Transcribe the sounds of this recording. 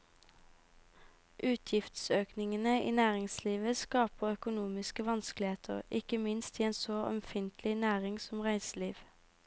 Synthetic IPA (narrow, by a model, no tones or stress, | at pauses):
ʔʉːt̪ʰjɪft̪søːknɪŋənəʔḭːnæːʁɪŋsliːʋəskɑːpəʁœkʊnuːmɪskəʋɑnsklɪheːt̪ʰə̰ʁɪkəmɪnst̪iːeːnsoːʔɔ̰mfɪnt̪ʰlɪnæːʁɪŋsɔmʁæɪsliːʋ